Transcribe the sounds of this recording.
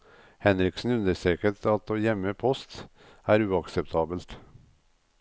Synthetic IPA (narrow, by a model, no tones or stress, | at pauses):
hɛnɾɪksn̩ʉnd̪əʂɛkət̪ɑt̪̚oːjɛmːəpʰɔst̪ | æːɾʉːɑksɛp̚t̪ʰɑːbəlt̪